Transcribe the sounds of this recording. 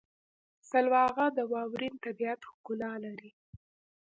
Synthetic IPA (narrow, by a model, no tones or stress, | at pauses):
salwɑɣad̪əwɑwɾint̪abiat̪hɡʊlɑlaɾi